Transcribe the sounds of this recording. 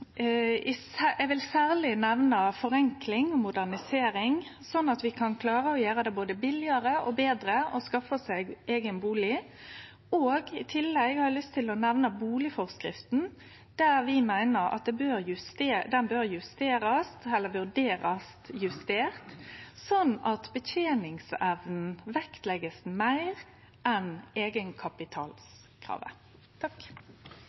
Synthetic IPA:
ɪ | ɛʋɪlsæːʁlɪnɛʋnɑfɔɾɛŋklɪŋɔmʊd̪æʁnɪseːɾɪŋ | sɔnːɑt̪ʋɪkʰɑnkʰlɑːɾəɔjøːɾəd̪ɛboːd̪əbɪlɪɑɾəɔbeːd̪ɾəɔskɑfəsɛɡeːɡənbuːlɪ | oːɡɪt̪ʰɪlːɛɡhɑɾɛlʏst̪ʰːɪlɔnɛʋnəbuːlɪfɔʁskɾɪft̪n̩ | d̪̥æːʁʋɪmæɪnəɾɑ̰t̪̚d̪ɛbøːɾjʉst̪ed̪ɛnbøːɾjʉst̪eːɾɑst̪ɛlːəʋʉd̪eːɾɑst̪jʉst̪eːʁt̪sɔnɑt̪bət̪ʰeːnɪŋsɛʋnn̩ʋɛkt̪lɛɡəsmæɪʁ | ʔɛneːɡənkʰɑpɪt̪ʰɑ̰ːls | kʰɾɑ̰ːʋə̰ | t̪ʰɑk

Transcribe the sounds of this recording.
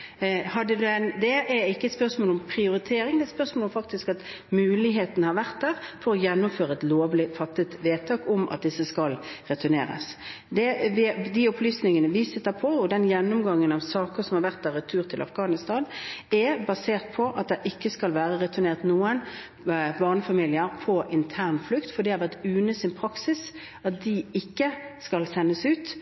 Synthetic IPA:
hɑd̪ːəd̪ʉɛnd̪ɛɛɾɪkːəɛt̪spœɾsmoːlɔmpʰɾɪʊɾɪt̪ʰeːɾɪŋd̪ɛt̪spœɾsmoːlɔmfɑk̚t̪ɪskɑt̪ | mʉːlɪɦeːt̪ənəhɑɾʋæʁt̪̚d̪æːɾfɔɾɔjɛnːʊmføːɾəɛt̪loːʋlɪfɑt̪ːət̪ʋeːt̪ʰɑːkɔmʔɑ̰t̪̚d̪ɪsːəskɑlɾɛt̪ʰʉnḛːɾə̰s | d̪ɛʋɪd̪ɪɔplyːsnɪŋənəʋisɪt̪ːəpʰɔɔd̪ɛnjɛnːʊmɡɑŋːənɑʋsɑːkəsɔmhɑʁʋæʁt̪̚ːɑʁɪt̪ʰʉːʁt̪ʰɪlʔɑ̰fɡɑːnɪst̪ɑːnɛbɑseːʁt̪̚pʰɔʔɑt̪̚d̪ɛʔɪkːəskɑlʋæːʁəʁɛt̪ʰʉneːʁt̪nuːən | bɑʁnəfɑmiːlɪəɾpʰɔʔɪnt̪ʰæːʁnflʉkt̪fɔd̪ɪhɑɾʋæʁt̪ʉːnəsɪnpʰʁɑksɪs | ɑt̪̚d̪ɪɪkːəskɑlsɛnːəsʉːt̪

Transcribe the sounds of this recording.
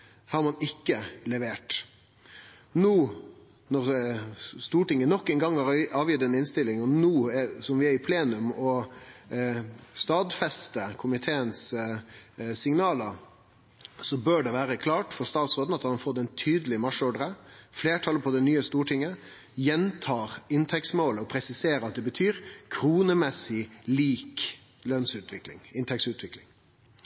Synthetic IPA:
hɑɾmɑnɪkːəlɛʋeːʈ | nuː | nɔʁ | st̪uːʈɪŋːənɔkːɛnɡɑŋɑɑːʋjʏd̪ɛnɪnst̪ɪlːɪŋɔnuːɛsɔmʋɪæɾɪpʰleːnʉmɔ | st̪ɑːd̪fɛst̪əkʰʊmɪt̪ʰeːəns | sɪŋnɑːləɾ | sɔbøːɖɛʋæːɾəkʰlɑːʈfɔɾst̪ɑːt̪sɾoːd̪n̩ɑt̪ɑɑnfoːɾd̪ɛɪnt̪ʰyːd̪əlɪmɑʂɔɖəɾəfleːʈʰɑləpʰɔd̪ɛnyːəst̪uːʈʰɪŋːə | jɛnt̪ʰɑːɾɪnt̪ʰɛksmoːləɔpʰɾɛsɪseːɾəɑt̪̚d̪ɛbət̪ʰyːɾkʰɾuːnəmɛsːɪliːk | lœnsʉːt̪ʰʋɪklɪ̰ŋɪnt̪ʰɛksʉːt̪ʰʋɪklɪŋ

